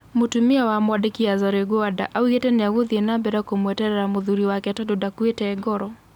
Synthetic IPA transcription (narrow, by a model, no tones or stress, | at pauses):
mutumiawamwadekiazaɾeɡoada̰ʔauɣɛtɛneaɣuðiɛnambɛɾakomwɛtɛɾɛɾamuðuɾiwakɛtɔdodakuɛtɛːɡɔɾɔ